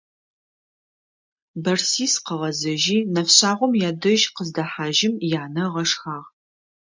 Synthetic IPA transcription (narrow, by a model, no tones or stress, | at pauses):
bɐrsiːsqɐʁɐzɐʒiːnɐfɕaːʁʷɔmjaːdɐʒqəzdɐħaːʒɪmjaːnɐʁɐʂxaːʁ